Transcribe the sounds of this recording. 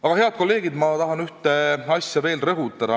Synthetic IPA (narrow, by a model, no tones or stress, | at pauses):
ɑɡ̥ɑɦe̞ɑd̪̥̚ko̞lːe̞ːɡ̥id̪mɑt̪ɑɦɑnyht̪eɑsjɑve̞ːlrɤɦut̪ːˑɑd̪̥ɑ